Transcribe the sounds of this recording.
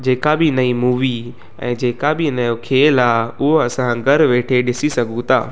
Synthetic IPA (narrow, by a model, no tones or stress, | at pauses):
d͡ʑeːkabɪnɐimuːʋi | ɛ̰̃ːd͡ʑeːkabɪnɐjokʰeːlaːɦʊɦoɐsãɡɐɾʋeːʈʰeɗɪsisɐɡʱũt̪a̰ː